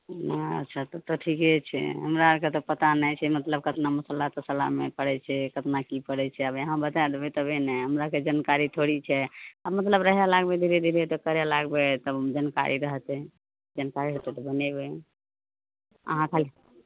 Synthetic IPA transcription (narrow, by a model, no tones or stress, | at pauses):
naə̰t̪ːt͡ʃʰat̪ɔt̪ɔʈʰikɛt͡ʃʰɛ̰ɦəmɾaket̪ɔpət̪anɛt͡ʃʰɛmət̪ləb̚kət̪naməsəlːat̪ɔsəla̰ɦmepəɽɛt͡ʃʰɛkət̪nakipəɽɛt͡ʃʰɛəbeɦãbət̪ad̪ebɛt̪ɔbʱɛnɛɦəmɾaked͡ʒənkaɾit̪ʰoɽit͡ʃʰɛabmət̪ləbɾəɦɛlaɡbed̪ʱiɾed̪ʱiɾet̪ɔkəɾɛlaɡbet̪ɔd͡ʒənka̰ɾiɾəɦət̪ɛ | d͡ʒənkaɾiɾəɦt̪ɛt̪ɔbənɛbɛ | ə̰ɦãk̪ʰal